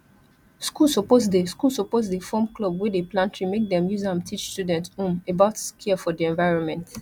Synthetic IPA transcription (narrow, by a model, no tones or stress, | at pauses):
skulˠsopoz̬deskulˠsɔpozdefɔmklɔbwideplãntʰɹimek̚dɛ̃mjuzãmtʰit͡ʃstjudɛ̃ntũmebaʊtskʰiəfɔdiɛ̃nvaɪɹɔ̃nmɛ̃nt